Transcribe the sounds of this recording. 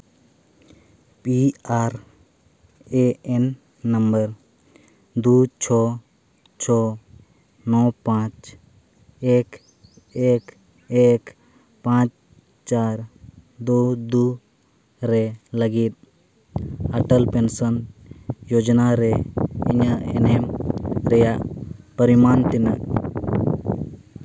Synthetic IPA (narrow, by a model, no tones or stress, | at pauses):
piaɾ | eenː | əmbəɾ | d̪ut͡ʃʰɔ | t͡ʃʰɔ | nɔpãt͡ʃ | ek | ek | ek | pãt͡ʃ | t͡ʃaːɾd̪ud̪u | ɾeləɡit̪̚ | əʈəlpensənjod͡ʒnaɾeḭɲaɛ̰nemɾɛjaʔpəɾimaːnt̪inəʔ